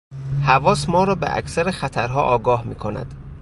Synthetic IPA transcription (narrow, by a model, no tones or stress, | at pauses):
hævɒːsmɒːɾɒːbḛʔæ̰cʰsæɾexæt̪ʰæɾɦɒ̰ːʔɒːɡɒːhmḭːkʰo̞næ̰d̪̥